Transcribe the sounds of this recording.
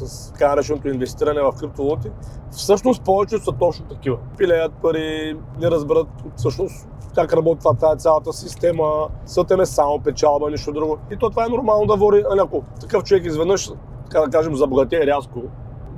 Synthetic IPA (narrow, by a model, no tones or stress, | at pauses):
sɐst̪ɐ̥kanɐɾɛt͡ʃɛnot̪oinvɛst̪iɾɐnɛvɐfkɾip̚t̪ovlˠɔt̪ifsɤʃnost̪pɔvɛt͡ʃɛsɐt̪ɔt͡ʃnot̪ɐkivəpilɛjət̪̚pɐɾi | nɛɾɐzbɛɾət̪fsɤʃnos | kakɾɐbɔt̪it̪vat̪vaɛt̪sʲjalˠɐt̪əsist̪ɛməsət̪ɛmɛsamopɛt͡ʃalˠbɐniʃt̪od̪ɾuɡʊit̪ɔt̪vaɛnoɾmalˠnod̪ɐvɔɾiɐlʲiɐkot̪ɐkɤft͡ʃovɛkizvɛd̪nəʃ | t̪ɐ̥kad̪ɐkaʒɛmzɐboɡɐt̪ɛɛɾʲasko